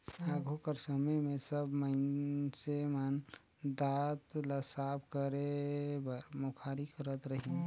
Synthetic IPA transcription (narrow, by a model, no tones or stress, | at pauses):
aːɡʱukəɾsəməjmẽsəbmənseman | d̪at̪ləsabkəɾebəɾmokʰaːɾikəɾət̪ɾəɦĩ